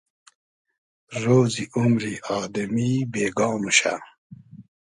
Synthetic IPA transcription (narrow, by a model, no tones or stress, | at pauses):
ɾoːziʔumɾiɑːd̪ɐmibeːɡɑːmuɕa̰